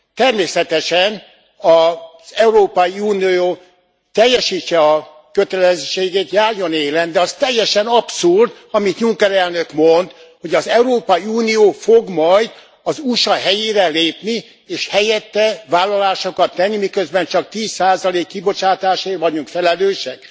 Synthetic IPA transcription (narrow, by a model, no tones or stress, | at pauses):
t̪ɛrmeːsɛt̪ɛʃɛn | ɒz̥ɛuɾoːpɒiuːnioː | t̪ɛjːɛʃiːt͡ʃːɛɒ | køt̪ɛlɛzʃt͡ʃeːɡeːt̪jaːrjo̞neːlɛnd̪ɛɒst̪ɛjːɛʃɛnɒpsurd̪ | ɒmit̪ɲuŋkɛɾɛlnø̞kmo̞nt̪ | ho̞ɟɒzɛuɾoːpɒiuːnijoːfoɡmɒjd̪ | ɒzuʃɒɦɛjeːɾɛleːpni | eːʃhɛjɛt̪ːɛvaːlːɒlaːʃokɒt̪ːɛnːimikøzbɛnt͡ʃɒk̚t̪iːsːaːzɒleːkːibo̞t͡ʃaːt̪aːʃeːrvɒɟuŋkfɛlɛløːʃɛk̚